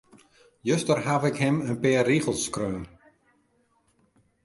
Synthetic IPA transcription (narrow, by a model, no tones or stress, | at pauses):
jøstərɦavɪkhɪmənpɪːriɣəlˠskrøːn